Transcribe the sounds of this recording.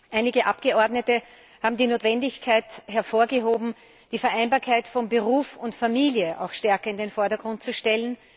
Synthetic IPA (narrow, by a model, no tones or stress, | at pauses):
ʔaɪnɪɡəʔapɡ̥əɔɐdnətə | haːbm̩diːnoːtv̥ɛndɪçkʰaɪtɦɛɐfoːɐɡəɦoːbm̩ | d̥iːfɛɐʔæɪnbaːɐkʰaɪtfɔnbəʁuːfʊntfamiːljəʔa̰ʊxʃtɛɐkɐɪndenfɔɐdɐɡʁʊnt̚t͡suʃtɛlən